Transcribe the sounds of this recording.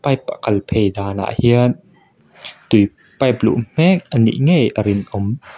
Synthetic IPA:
pɐjpaʔkɐlpʰejd̪aːna̰ːʔhiən | t̪uj | pɐjplṵʔm̥ɛk̚ʔənḭʔŋejʔəɾɪnʔɔm

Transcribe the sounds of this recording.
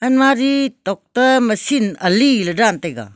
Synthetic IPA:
ɐnmaɾitɔk̚tɐmɐsinɐlilɐdantɐjɡa̰

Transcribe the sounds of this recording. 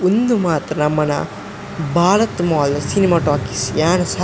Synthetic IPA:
und̪umaːt̪ɾɐnɐmːɐnɐ̰ | baːlɐt̪maːlɐɾsinimaːʈaːkisjaːnɐsɐ

